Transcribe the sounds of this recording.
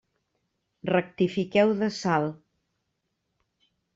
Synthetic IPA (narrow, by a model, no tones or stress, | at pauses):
rək̚t̪ifikɛwðəsalˠ